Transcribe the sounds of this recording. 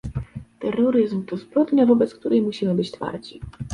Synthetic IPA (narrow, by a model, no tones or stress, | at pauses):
t̪ɛɾːɔɾɘzmt̪ɔzbɾɔd̪ɲɔvɔbɛt̪sk̚t̪uɾɛjmuɕimɘbɘt͡ɕt̪fa̰ɾd͡ʑi